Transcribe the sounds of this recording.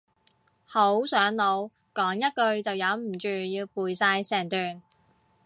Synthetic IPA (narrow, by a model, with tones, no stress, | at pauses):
ho˨˥wsœː˨˥ŋlo˨˥w | kɔː˨˥ŋjɐ˥t̚kɵ˧ɥt͡sɐ˨wjɐ˨˥wm̩˨˩t͡ʃyː˨jiː˧wpuː˨jsaː˧jsɛː˨˩ŋt̪yː˨˩n